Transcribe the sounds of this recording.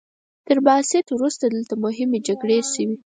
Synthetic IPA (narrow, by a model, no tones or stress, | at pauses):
t̪əɾbasɪt̪wɾust̪ad̪əlt̪amʊɦɪmed͡ʒaɡɽeʃəwi